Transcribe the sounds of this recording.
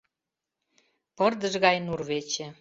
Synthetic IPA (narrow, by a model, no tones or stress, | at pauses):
pɤ̆rd̪əʒɣɑjnurβet͡ɕĕ